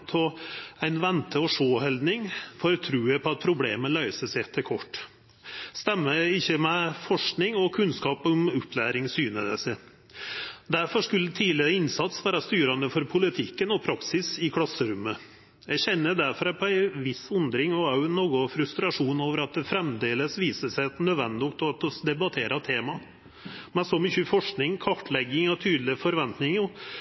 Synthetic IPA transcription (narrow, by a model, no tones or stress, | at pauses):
t̪ʰɔæɪnʋɛnt̪əɔʂoːhɛld̪nɪŋfɔɾt̪ʰɾʉːəpʰɔɑt̪̚pʰɾʊbleːməlœʏsəsæɪɛt̪ʰːəɾkʰɔʈː | st̪ɛmːəɪçːəmɛfɔʂknɪŋɔkʰʉnskɑːpɔmʉpːlæːɾɪŋsyːnəd̪ə̰sə | d̪æɾfɔʂkʉlːət̪ʰiːlɪɾəɪnsɑt̪sʋæːɾɑst̪yːɾɑnd̪əfɔɾpʰʊlɪt̪ʰɪkːənɔpʰɾɑksɪsɪkʰlɑsːəɾʉmːə | jæɪçɛnːəd̪æɾfɔɾɑpʰɔæɪʋɪsʉnd̪ɾɪŋɔɑʉnːoːɡʊfɾʉst̪ɾɑʂuːnoːʋəɾɑt̪̚d̪ɛfɾɛmd̪eːləsʋiːsəʂæɪnœd̪ʋɛnd̪ɪʊkt̪ɔt̪d̪ɛbɑt̪ʰeːɾɑt̪ʰeːmɑ | mɛnsɔmɪçʉfɔʂknɪŋkʰɑʈlɛɡːɪŋɔt̪ʰyːd̪lɪfɔɾʋɛnt̪nɪŋɔ